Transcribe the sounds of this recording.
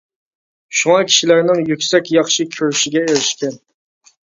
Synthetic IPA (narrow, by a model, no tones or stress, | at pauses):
ʃuŋɑkʲʰi̥ʃilæɾnɪŋjykʲsɛkʲjɑχʃikʲʰøɾyʃiɡʲɛeɾɪʃkʲɛn